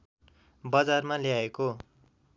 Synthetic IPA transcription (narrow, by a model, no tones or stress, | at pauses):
bʌd͡zarmaljaeko